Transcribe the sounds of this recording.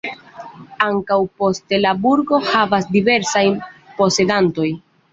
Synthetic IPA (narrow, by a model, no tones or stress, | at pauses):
aŋkawpo̞stelabuɾɡo̞havasdive̞ɾsajpo̞se̞danto̞j